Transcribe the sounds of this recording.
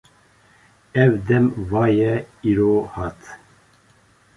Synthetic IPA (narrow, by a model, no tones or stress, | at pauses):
ɛvd̪ɛmvɑːjɛiɾoːhɑːt̪